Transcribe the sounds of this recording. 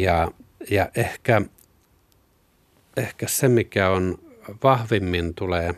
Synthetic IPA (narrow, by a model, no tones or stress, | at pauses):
jɑjɑʔehkæ | ehkæsemikæonʋɑhʋimːint̪uleː